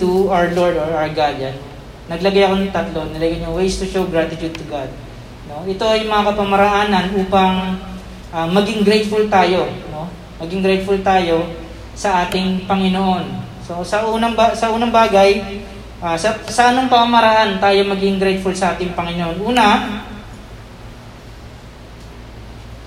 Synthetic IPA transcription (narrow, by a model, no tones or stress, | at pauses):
t̪uawloɹd̪oɹaɡad͡ʒɐn | nɐɡlɐɡajɐko̞nɐŋt̪ɐt̪lonɪlɐɡɐɲowejst̪uʃowɡɾat̪ɪt͡ʃud̪̚t̪ʊɡad̪̚ | no̞ʔɪt̪o̞ɐjŋmɐŋakɐpɐmɐɾɐɦaːnɐnʔuːpɐŋ | ʔamɐɡɪŋɡɾejt̪̚fʊlt̪aːjo̞no̞ | mɐɡɪŋɡɾɛjt̪̚fult̪aːjo̞ | sɐʔaːt̪ɪŋpɐŋɪnoʔo̞n | so̞sɐʔuːnɐŋbasɐʔuːnɐŋbaːɡɐj | ʔaːsɐsɐʔɐnoŋpɐmɐmɐɾɐhant̪aːjo̞mɐɡɪŋɡɾɛjt̪̚fʊlsɐʔaːt̪ɪŋpɐŋɪnoʔo̞nʔuːnɐ